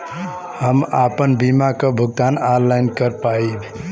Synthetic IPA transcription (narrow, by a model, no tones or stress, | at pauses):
həmapənbimakəbʱuɡ̚t̪anaɾlajnkəɾpaibʱ